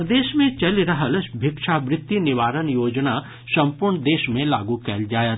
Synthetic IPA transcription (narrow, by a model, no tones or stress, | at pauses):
ɾd̪eːʃmẽt͡ʃɐlɾɐɦəlbʱɪkʃabɾɪt̪ːinɪʋaːɾənjoːd͡ʒna | sɐ̃mpʊɾɳd̪eːʃmẽlaːɡukɛːld͡ʒaːjət̪